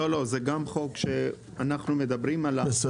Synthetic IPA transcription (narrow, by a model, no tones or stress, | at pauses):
olo̞zeɡamχo̞kʃe̞ | anaχnume̞d̪abʁimala